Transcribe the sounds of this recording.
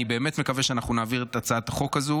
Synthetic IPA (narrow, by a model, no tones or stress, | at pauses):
ibeːme̞tme̞kaveʃeanaχnunaːviʁet̪at͡saat̪aχo̞kazu